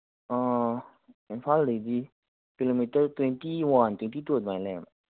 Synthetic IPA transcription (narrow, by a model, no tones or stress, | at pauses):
ʔɔː | ɛnfallədi | kilomit̪ət̪weŋt̪iːwɔnt̪iŋt̪ʰiːt̪uət̪̚maːlɛm